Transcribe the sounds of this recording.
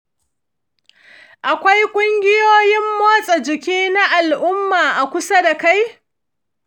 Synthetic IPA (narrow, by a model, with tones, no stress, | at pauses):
ʔa˨kʷa˦jkʷʼʊ˦ŋɡʲɪ˦joː˦jɪ˦mːoː˦sʼa˨d͡ʒɪ˨kʲiː˦na˦ʔa˨lʔʊ˦mːaː˨ʔa˨kʷʊ˦sa˦da˨ka˦j